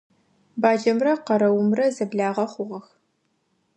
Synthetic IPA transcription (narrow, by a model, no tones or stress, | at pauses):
baːd͡ʒɐmrɐqɐɾɐwʊmrɐzɐbɮaːʁɐχʷʊʁɐx